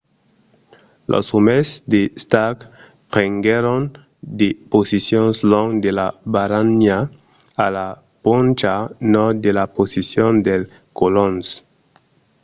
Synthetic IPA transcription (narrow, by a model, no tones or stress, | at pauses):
lʔo̰sumesd̪est̪ak | pʁeŋɡeɾon | d̪eposisjonsloŋd̪elabaɾanja | ala | pont͡ʃanod̪elaposisjond̪el | kolons